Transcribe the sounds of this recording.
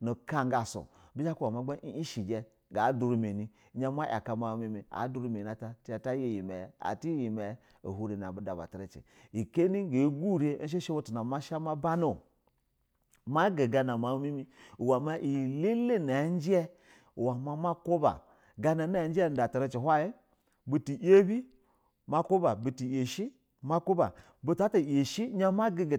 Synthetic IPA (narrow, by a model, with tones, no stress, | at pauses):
no˨ka˦ŋɡa˨so̰˨bi˦d͡ʒa˦ku˦wa˨ma˨˦ɡ͡ba˦ʔi˦i˦ʃi˨d͡ʒe˦ | ɡa˨˦du˨ɾu˨me˨ni˨˦ | ɲa˦ma˦ʔa˨ka˨ma˨mi˦mi˨a̰˨˦du˦ɾu˦me˨na˨ta˨ti˦a˨ta˦je˦ji˨me˨a̰˨ti˦ji˨me˨˦ | o̰˨hu˦ɾe˨n˨a˨bu˨da˨ba̰˨ta˨ɾe˦t͡ʃḛ˨ | i˨ke˦ni˦ɡe˨˦ɡu˦˨ɾe˦n̩˦ʃ̬e˦ʃe˦wo˦tu˨na˨ma˦ʃa˦ma˦ba˦no˨ | ma˦ɡe˨ɡa˨na˨ma˨˦mi˦mi˦u˨wa˨ma˦ʔi˨le˦le˦na˨˦n˦d͡ʒɛ˦ | u˨wa˨ma˨ma˦ko˦ba̰˨ | ɡa˦na˨˦n˦a˨n˦d͡ʒɛ˦˨˦da˨ta˨ɾe˦t͡ʃe˨hʷa˦je˦ | bu˦ti˨je˦bi˦ | ma˦ko˦ba˨bu˨ti˨je˨ʃi˦ | ma˦ko˦ba̰˨ | bu˦ta˦ta˨je˨ʃi˦ɲa˦ma˦ɡe˦ɡ